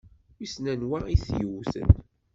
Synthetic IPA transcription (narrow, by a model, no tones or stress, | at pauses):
isnænwaiθjəwθə̰n